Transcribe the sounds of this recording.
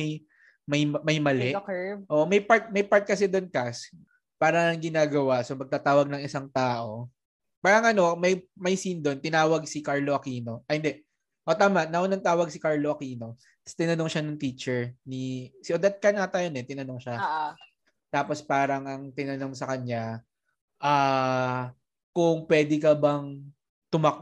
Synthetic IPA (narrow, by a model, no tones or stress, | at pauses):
j | mɐjmɐjmɐlɛʔʔoːʔomɐjpaɹt̪̚mɐjpaɹt̪̚kɐsɛd̪onkɐs | paːɾɐnɐŋɡɪnaːɡɐwasomɐɡ̚t̪aːt̪aːwɐɡ̚nɐŋɪsaŋt̪aːʔo̞ | paːɾɐŋʔɐno̞mɐjmɐjsind̪o̞nt̪ɪnaːwɐɡ̚sikaɹloʔɐkiːno̞ʔɐhɪnd̪ɛ | ʔot̪aːmɐʔnɐʔonɐŋt̪aːwɐɡsɪkaɹloʔɐkiːno̞ | st̪ɪnɐnoŋʃanɐŋt̪iːt͡ʃɛɹnisɪʔod̪ɐt̪̚kɐnat̪ɐjonɛt̪ɪnɐnoŋʃa | t̪aːpospaːɾɐŋɐŋt̪ɪnɐno̞ŋsɐkɐɲɲa | ʔaː | kʊŋpwɛːd̪ɪkɐbɐŋ | t̪ʊmɐk